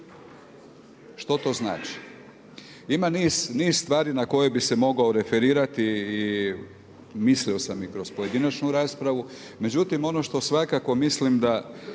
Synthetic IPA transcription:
ʃt̪o̞t̪o̞zna̰ːt͡ʃi̥ | imaniːz̥niːzst̪ʋaːɾinako̞jebise̞mo̞ɡao̞ɾe̞fe̞ɾiːɾat̪iː | mislio̞samikɾo̞spoje̞d̪inat͡ʃnuɾaːspɾaʋu | me̞d͡ʑut̪imo̞no̞ʃt̪o̞sʋakako̞mislimd̪a

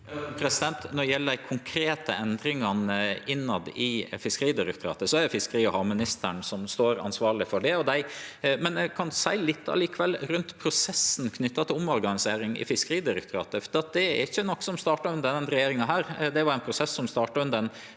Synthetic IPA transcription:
pʰɾɛsɪd̪ɛnt̪nɔɖɛjɛlːəkʰʊŋkʰɾeːt̪ə̰ʔɛnd̪ɾɪŋɑnəɪnːɑd̪ɪfɪskəɾiːd̪ɪɾɛk̚t̪ʰʊɾɑ̰ːt̪əsɔæɖɛfɪskəɾiːɔhɑmɪnɪst̪əɳsɔmst̪oːɾɑ̰nsʋɑːɭɪfɔɖɛɔd̪æɪmɛnɛkʰɑnsæɪlɪt̪ːɑ̰liːkəʋɛlɾʉnt̪pʰɾʊsɛsːn̩kʰnʏt̪ːɑt̪ʰɪlʊmːɔɾɡɑnɪseːɾɪŋɪ̰fɪskəɾiːd̪ɪɾɛk̚t̪ʰʊɾɑ̰ːt̪əfɔɾd̪iːɑt̪̚d̪ɛæ̰ɾɪçːənɔkːsɔmst̪ɑːʈɑʉnd̪ɛnɾɛjeːɾɪŋɑɦæːɾd̪ɛʋɑɾɛnpʰɾʊsɛsːɔmst̪ɑːʈɑʉnd̪ɛn

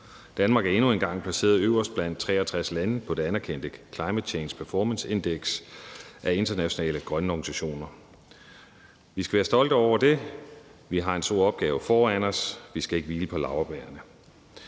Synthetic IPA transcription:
d̥ænmɑ̈ːɡ̥æɐe̝nue̝nɡ̥ɑ̈ŋ̰pʰlæse̝̰ːɐðˠøʊɐsd̥̚b̥læn̰d̥̚t͡sʰʁɛ̰ːɐt͡sʰʁaslænəpʰɒ̽d̥e̝ænæɐkʰen̰d̥əkʰlɑ̈ɪmed̥ɕʰeːnspʰæɐfɒːmənse̝nd̥eɡ̥sʔæe̝nd̥ɐnæɕo̝nɛ̰ːləɡ̥ʁɶnəɒɡ̥ni̥sæɕo̝̰ːnɐ | ʋisɡ̥æʋæːɐsd̥ɒ̽l̰d̥ɒʊ̰ɐd̥e̝ | ʋiɦɑ̈e̝nsd̥o̝ɐ̰ɒ̽b̥̚ɡ̥ɛːʊfɒːænɒsʋisɡ̥æe̝ɡ̥əʋiːləpʰɒ̽lɑ̈ʊɐb̥ɛːɐnə

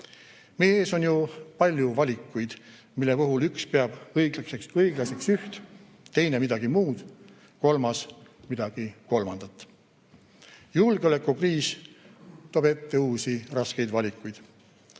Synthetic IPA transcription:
meːeːso̞njupɑlʲjuvɑlʲikːˑujd̪̥ | milːe̞puɦulykspeɑb̥ɤjɡ̥lksekɤjɡ̥lɑse̞ksyht̪ | t̪e̞jne̞mid̪ɑɡ̥imuːd̪̥ | ko̞lmɑs | mid̪̥ɑɡ̥iko̞lmɑnd̪̥ɑt̪ˑː | julɡ̥eo̞le̞kːˑukriːs | t̪oːbe̞t̪ːe̞uːsirɑske̞jd̪vɑlʲikːˑujd̪̥

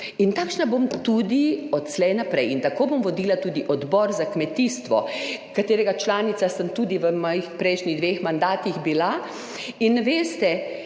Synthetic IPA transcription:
int̪akʃnabomt̪uːd̪iɔt̪slɛjnapɾɛjint̪akoːbomʋɔd̪iːlat̪uːd̪iʔɔd̪bɔɾzakmɛt̪iːst̪ʋɔkat̪eːɾɛɡat͡ʃlaːnit̪sasəmt̪uːd̪iʋəmɔːjixpɾɛɪʃniɣd̪ʋexmand̪aːt̪ixbila | inʋeːst̪ɛ

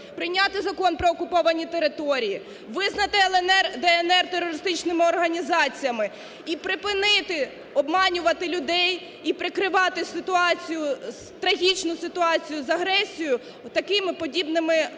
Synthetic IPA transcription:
pɾɪjnʲɑt̪ɪzɐkɔnpɾɔːkʊpɔʋɐnʲit̪eɾɪt̪ɔɾʲiji | ʋɪznɐt̪ɪɛlˠɛnɛrd̪ɛɛnɛrt̪erːɔɾɪst̪ɪt͡ʃnɪmɪɔrɦɐnʲizɑt͡sʲijɐmɪ | ipɾɪpɪnɪt̪ɪ | ɔbmɑnʲʊʋɐt̪ɪlʲʊd̪ɛj | ipɾɪkɾɪʋɑt̪ɪsɪt̪ʊɑt͡sʲijʊzt̪ɾɐɦʲit͡ʃnʊsɪt̪ʊɑt͡sʲijʊzɐɦɾɛsʲijʊ | t̪ɐkɪmɪpɔdʲibnɪmɪ

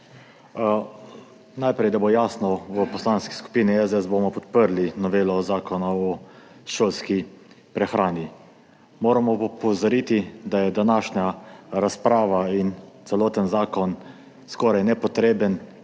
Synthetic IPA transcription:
najpɾɛjd̪abojasnɔʋəpɔslaːnski̥sku̥piniɛzɛsbomɔpɔt̪̚pəɾlinɔʋeːlɔzaːkɔnaɔ | ʃoːlski | pɾɛxɾaːni | moːɾamɔpɔwzaɾit̪id̪ajɛd̪anaʃɲaɾaspɾaːʋaint̪sɛloːt̪ənzaːkɔn | skɔɾajnɛpɔt̪ɾeːbən

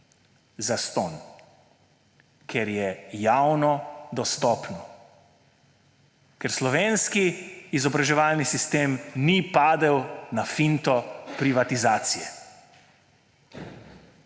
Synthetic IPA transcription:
zast̪ɔn | kʰɛɾjɛjawnɔd̪ɔst̪ɔːpnɔ | kɛɾslɔʋeːnskiːzɔbɾaʒɛʋaːlnisist̪eːmnipaːd̪ɛwnafint̪ɔpɾiʋat̪izaːt̪sijɛ̰

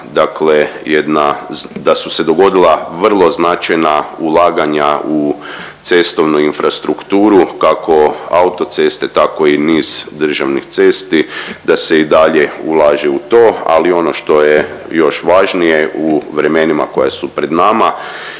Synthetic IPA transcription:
d̪aklejed̪nad̪asuse̞d̪o̞ɡo̞d̪ilˠaʋr̩lˠo̞znat͡ʃajnaulˠaːɡaɲau | t̪se̞st̪o̞ʋnuinfɾʔast̪ɾukt̪uːɾukakʰo̞aut̪o̞t̪se̞st̪et̪ako̞iniːz̥d̪r̩ʒaʋnixt̪se̞st̪id̪ase̞id̪aʎeulˠaːʒeut̪o̞ːa̰lio̞no̞ʃt̪o̞jejo̞ʃʋaʒnije̞uʋɾe̞me̞nima̰ko̞jasupɾe̞d̪nama

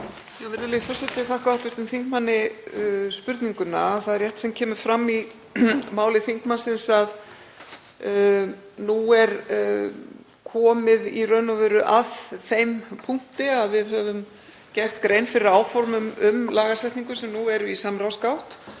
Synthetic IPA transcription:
avɪɾðɪlɪfasɛt̪ɪθahkaawht̪ʏɾt̪ɪmθiŋkmanːɪ | spʏɾt̪niŋkʏna̰ːθaðɪɾrjɛht̪sɛmcʰɛːmʏfɾamːi | maːwlɪθiŋ̥kmansɪnsað | nuɛɾ | kʰɔːmɪðirœːnavɛɾʏʔaðθejmpʰuŋ̥t̪ɪaðvɪðɦœvʏm | cɛr̥t̪kɾejnfɪɾɪɾaːwfɔɾmʏmʏmlaːɣasɛjht̪niŋkʏsɛmnuɛɾʏisamɾawskawht̪

